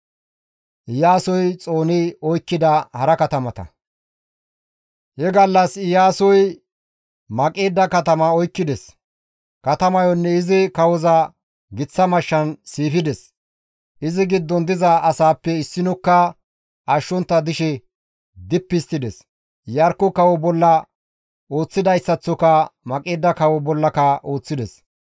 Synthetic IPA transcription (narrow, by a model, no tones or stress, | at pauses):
ʔɪjaːsɔjt͡sʼo̞ːnɪɔjkːɪd̪ɐhɐɾɐkɐt̪ɐmɐt̪ɐ̰ | hɛɡɐlːɐsɪjaːsɔj | mɐkʼeːd̪ːɐkɐt̪ɐmɐɔjkːɪd̪ɛs | kɐt̪ɐmɐjɔnːɛɪzɪkɐwɔza | ɡɪt͡sːɐmɐʃːɐnsiːfɪd̪ɛs | ʔɪzɪɡɪd̪ːɔnd̪ɪzɐɐsaːpːɛɪsːɪnɔkːɐ | ʔɐʃːɔnt̪ːɐd̪ɪʃɛ | d̪ɪpːɪst̪ɪd̪ɛs | jɐɾkːɔkɐwɔbɔlːɐ | o̞ːt͡sːɪd̪ɐjsːɐt͡sːɔkɐmɐkʼeːd̪ːɐkɐwɔbɔlːɐkɐʔo̞ːt͡sːɪd̪ɛs